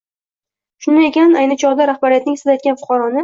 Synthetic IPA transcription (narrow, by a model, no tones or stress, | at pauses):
ʃʊnd̪aekʲanajnɪt͡ʃʰɒʁd̪aɾaχbaɾɪjat̪nɪŋsɪd̪ajt̪̚kʲanfʊ̥qʰɑɾɒnɪ